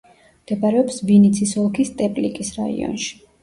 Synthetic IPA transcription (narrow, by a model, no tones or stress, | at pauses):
md̪̥ɛbaɾɛɔpsvinit̪sʰisɔlˠkʰist̪ʼɛpʼlikʼisɾa̰ḭɔ̰nʃi̥